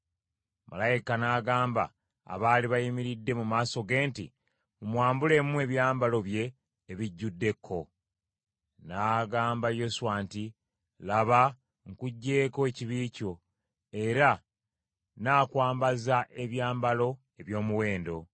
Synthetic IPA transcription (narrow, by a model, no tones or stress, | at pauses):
ma̰lajikanaːɡaːmba̰ː | βaːliβajimiɾidːe̞mumaːso̞ɡe̞ːntḭ | umwaːmbule̞mue̞βjaːmbalo̞βje̞ː | βiɟːudːe̞kʰːo̞ | naːɡaːmbajo̞suwaːnti | laβa | ŋkuɟːe̞ːko̞eciβiːco̞ | e̞ɾa | naːkwaːmbazaʔe̞βjaːmbalo̞ | e̞βjo̞ːmuwe̞ːndo̞̰